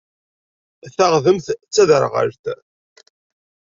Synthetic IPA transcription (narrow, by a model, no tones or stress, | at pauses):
θaʁðəmθt͡sːæðəɾʁə̰ɾt̪